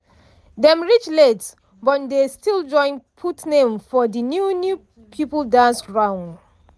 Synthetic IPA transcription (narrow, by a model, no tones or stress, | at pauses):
dɛ̃mɹit͡ʃlets | bɔtdestild͡ʒɔ̃ɪ̃npʰutnẽmfɔdinjunju | pʰipəldasɹãʊ̃n